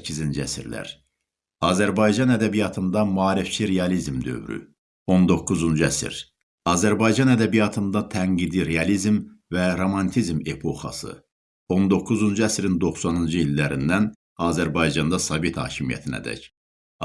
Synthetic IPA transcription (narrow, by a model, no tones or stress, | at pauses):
cʰːizind͡ʒiæsiɾlæ̰ɾ | ɑːzæɾbɑjd͡ʒɑnæd̪æbijɑt̪ʰɯnd̪ɑmɑːɾift͡ʃʰiɾeɑlizmd̪ø̞̰vɾy̰ | o̞nd̪o̞kʰːuzund͡ʒæsḭɾ | ɑːzæɾbɑjd͡ʒɑnæd̪æbijɑt̪ʰɯnd̪ɑt̪ʰæŋɡid̪iɾeɑlizmvæɾo̞mɑnt̪ʰizmepʰo̞xɑ̰sɯ̰ | o̞nd̪o̞kʰːuzund͡ʒuæsɾind̪o̞xsɑnund͡ʒɯilːæɾḭnd̪æn | ɑːzæɾbɑjd͡ʒɑnd̪ɑsɑvet̪hɑ̰ːcʰimijæ̰t̪ʰinæ̰d̪æ̰c